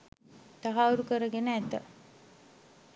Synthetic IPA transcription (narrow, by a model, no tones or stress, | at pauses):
t̪aɦauɾukəɾəɡenəæt̪ə